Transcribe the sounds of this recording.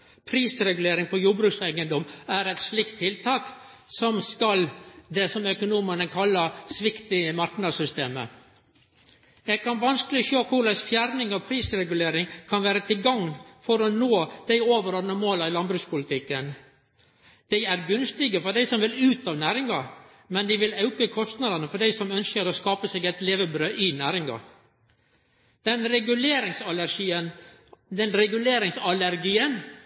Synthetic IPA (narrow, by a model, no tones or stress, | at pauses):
pʰɾiːsɾɛɡʉleːɾɪŋpʰɔjuːɾbɾʉːksæɪɡənd̪ɔmæɾɛɪt̪slɪkt̪ʰːɪlt̪ʰɑːk | sɔmskɑld̪ɛsɔmœkʊnuːmənəkʰɑlːəɾsʋɪkt̪ɪmɑɾknɑdsʏst̪eːmə̰ | ɛɡ̚kʰɑnʋɑnskəlɪçøːkʰʊɭæsfjæːɾnɪŋɑʋpʰɾiːsɾɛɡʉleːɾɪŋkʰɑnʋæːɾət̪ɪlɡɑŋːfɔɾɔnoːd̪̥æɪoːʋəɾɔːnəmoːləɪlɑnbɾʉːspʊlɪt̪ʰɪkːən | d̪̥æɪæɾɡʉnst̪ɪɡəfɔɖæɪsɔmʋɪlʉːt̪ɑʋnæːɾɪŋɑ | mɛnd̪ɪʋɪlɑʉkəkʰɔst̪nɑd̪ənəfɔɖæɪsɔmœnskəɾoːskɑːpəsɛːɡɛt̪leːʋəbɾøːʔɪnæːɾɪŋɑ̰ | d̪̥ɛnɾɛɡʉleːɾɪŋsɑlæɾʂiːən | d̪ɛnɾɛɡʉleːɾɪŋsɑlæɾɡiːən